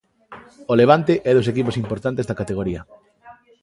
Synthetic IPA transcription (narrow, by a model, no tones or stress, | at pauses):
oleβ̞ant̪eʔɛðos̬ekiposimpoɾt̪ant̪ezðɐkat̪eɣ̞oɾiɐ